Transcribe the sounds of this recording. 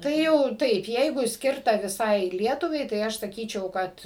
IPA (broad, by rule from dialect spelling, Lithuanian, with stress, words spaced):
ˈtɐɪ jɛʊ ˈtɐɪp ˈjɛɪɡʊ ˈsʲkʲɪrtɐ ʋʲɪˈsɐɪ ˈlʲiɛtʊʋɐɪ tɐɪ ˈɐʃ sɐˈkʲiːt͡ʃʲɛʊ ˈkɐt